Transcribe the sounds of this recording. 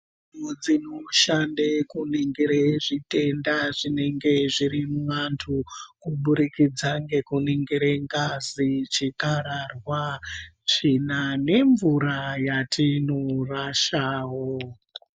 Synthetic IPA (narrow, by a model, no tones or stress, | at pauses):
mod͡zinoʃandekuniŋɡiɾeʐite̞ndaʐine̞ŋɡe̞ʐiɾimwantʰukuɓuɾikid͡zaŋɡe̞kuniŋɡiɾeŋɡazit͡ʃikaɾarwat͡ʃinane̞ɱvuɾajatʰinoraʃaːwoo